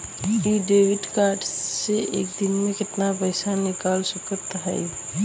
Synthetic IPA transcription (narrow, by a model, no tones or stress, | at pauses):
iːɖeːwɪɖkaːɾɖseḛːk̚d̪ɪnmẽkɪt̪napəɪsanɪkaːlsʊkəɾt̪ɦa̰ḭ